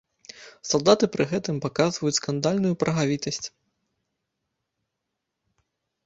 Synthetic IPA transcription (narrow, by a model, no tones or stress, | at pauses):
salˠd̪at̪ɨpɾɨɣɛt̪ɨmpakazvɐjut͡sʲskand̪alʲnujupɾɐɣavʲit̪ɐsʲt͡sʲ